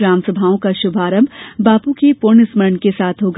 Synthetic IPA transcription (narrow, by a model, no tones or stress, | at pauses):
ɾãːmsəbʱaːõkaʃʊbʱaːɾə̃mbbaːpukipoːnɪsməɾnkesaːt̪ʰɦoːɡ